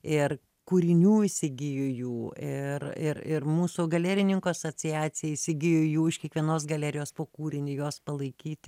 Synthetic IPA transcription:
ɪr | kuːɾʲɪnʲuːɪsʲɪɡʲɪjojuːɪrɪrɪrmuːsʊɡɐlʲæːɾʲɪnʲɪŋkoɐsoːt͡s̪ʲɪæːt͡s̪ʲɪjɛisʲɪɡʲɪjojuːɪʃkʲiɛkʋʲiɛnoːs̬ɡɐlʲæːɾʲɪjoːspoːkuːɾʲɪnʲɪjoːspɐlˠɐɪkʲiːt̪ʲɪ

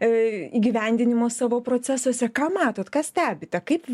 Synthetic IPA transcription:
iːɡʲiʋʲɛnʲd̪ʲɪnʲɪmoːsɑːʋoːpɾoːt͡s̪ʲæsɐsʲɛkɑːmɑːt̪oːt̪kɐsʲt̪ʲæːbʲɪt̪ʲɛkɐɪp

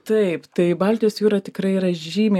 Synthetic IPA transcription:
t̪ɐɪpt̪ɐɪbɐlʲt̪ʲɪjoːsjuːɾɐːt̪ʲɪkɾɐɪiɾɐʒʲiːmʲeː

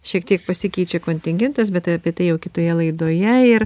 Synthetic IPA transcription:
ʃʲiɛk̚t̪ʲiɛk̚pɐsʲɪkʲɛɪt͡ʃʲɛkoːnʲt̪ʲɪŋʲɡʲɛnt̪ɐsbʲɛt̪ɐɐpʲiɛt̪ɐɪjɛʊkʲɪt̪oːjɛlˠɐɪd̪oːjɛɪɾ

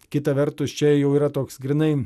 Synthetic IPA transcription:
kʲɪt̪ɐʋʲɛɾt̪ʊst͡ʃʲɛjɛʊiːɾɐt̪oːksɡɾʲɪnɐɪ

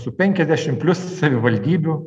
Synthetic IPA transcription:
sʊpʲɛŋʲkʲɛzʲd̪ʲæʃʲɪmpʲlʲʊssɐʋʲɪʋɐlʲd̪ʲiːbʲʊ

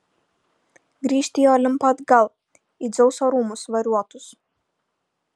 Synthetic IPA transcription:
ɡɾʲiːʃʲt̪ʲiːjoːlʲɪmpɐd̪ɡɐlˠ | iːd̪zʲɛʊsoːɾuːmʊsʋɐɾʲuɔt̪ʊs

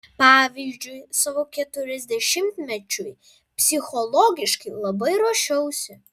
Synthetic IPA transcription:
pɑːʋʲiːzʲd͡ʒʲʊɪsɑːʋoːkʲɛt̪ʊɾʲɛzʲd̪ʲɛʃʲɪmʲt̪ʲmʲɛt͡ʃʲʊj | pʲsʲɪxɔlˠɔɡʲɪʃkɐɪlˠɐbɐɪɾoʃʲɛʊsʲɪ

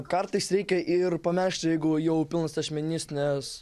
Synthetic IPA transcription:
kɐɾt̪ɐɪsɾʲɛɪkʲɛʔɪrpɐmʲɛɾʲʃʲt̪ʲjɛɪɡʊjɛʊpʲɪlˠnɐsɐsʲmʲɛnʲɪsnʲɛs

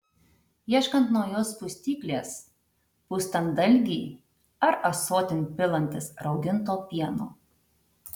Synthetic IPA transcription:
jiɛʃkɐnt̪nojoːspʊsʲt̪ʲiːkʲlʲeːs | puːst̪ɐnd̪ɐlʲɡʲiː | ɐɾɐsoːt̪ʲɪnʲpʲɪlˠɐnʲt̪ʲɪsɾɒʊd̪ʲɪnˑt̪oːpʲiɛnoː

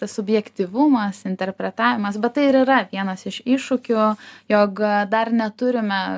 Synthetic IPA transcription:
t̪ɐssʊbʲjɛkt̪ʲiʋʊmɐsɪnʲt̪ʲɛɾʲpʲɾʲɛt̪ɑːʋʲɪmɐsbʲɛt̪t̪ɐɪɪɾiɾɐʋʲiɛnɐsɪʃɪʃʊkʲʊjoːkd̪ɐrnʲɛt̪ʊɾʲɪmʲɛ

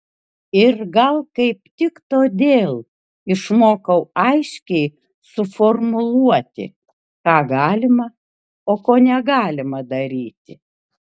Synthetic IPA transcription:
ɪɾɡɐlˠkɐɪpt̪ʲɪkt̪oːd̪ʲeːlˠ | ɪʃmoːkɐʊɐɪʃʲkʲɛɪ | sʊformʊlˠuɔt̪ʲɪ̰ | kɑːɡɑːlʲɪmɐ | oːkoːnʲɛɡɑːlʲɪmɐd̪ɐɾʲiːt̪ʲɪ

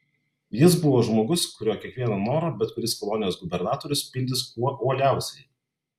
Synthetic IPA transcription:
jɪsbʊʋoːʒmoːɡʊskʊɾʲoːkʲiɛkʋʲiɛnɐnoːɾoːbʲɛt̪kʊɾʲɪskɔlˠɔnʲɪjoːsɡʊbʲɛɾnɑːt̪ɔːɾʲʊspʲɪnʲd̪ʲɪskuɔʔuːlʲæˑʊsʲɛɪ

